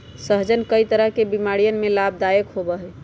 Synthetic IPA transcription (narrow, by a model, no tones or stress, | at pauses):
səɦd͡ʒənkəit̪əɾəɦkebimaɽijənmelab̚d̪ajəkɦobəɦɛ